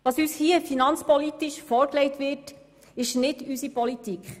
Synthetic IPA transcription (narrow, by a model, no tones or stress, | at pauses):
ʋɑːsyshiəfinɑnt͡spɔlitiʃfɔːɾklɛjtʋɪɾt | ɪʃnɪdysipɔlitikχ